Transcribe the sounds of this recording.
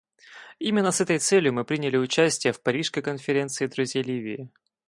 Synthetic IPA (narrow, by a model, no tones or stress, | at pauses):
imʲɪnːəsɛt̪əjt̪sɛlʲjʊmɨpɾʲinʲɪlʲɪʊt͡ɕæsʲtʲɪjəfpɐɾʲiʂskəjkənfʲɪɾʲe̞nt̪sɨɪd̪ɾʊzʲjejlʲivʲɪːɪ